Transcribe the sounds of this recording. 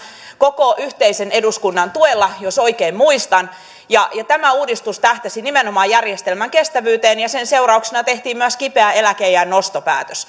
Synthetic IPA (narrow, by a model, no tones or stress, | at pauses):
kokoʔyht̪eisene̞duskunːɑnt̪uelːɑjosoikeːmmuist̪ɑn | jɑjɑt̪æmæuːdist̪ust̪æht̪æsinimenomɑːjærjest̪elmæŋkest̪æʋyːt̪eːnjɑsenseurɑuksenɑt̪eht̪iːmmyæskipeæelækejænːost̪opæ̰ːt̪øs